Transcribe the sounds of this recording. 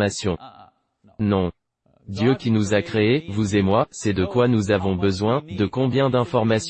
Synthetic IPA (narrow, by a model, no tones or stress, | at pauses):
masjɔ̃ | nɔ̃ | d̪jøkʲinuzakχeevuzemwasɛd̪əkwanuzavɔ̃bəzwɛ̃d̪əkɔ̃bjɛ̃d̪ɛ̃fɔʁmas